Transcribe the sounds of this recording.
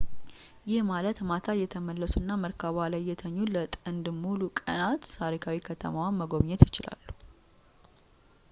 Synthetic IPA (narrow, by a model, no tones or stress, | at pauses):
jɪhmalət̪mat̪ʰajɛt̪ʰəməlːəsunːaməɾkʰaβalajːɛt̪ʰəɲːulət̪ʼənd̪ɨmːulukʼə̰nat̪t̪ʰaɾikʰawikʰət̪ʰə̰mawanməɡo̞βɲɛt̪jɪt͡ʃɪla̰lːu̥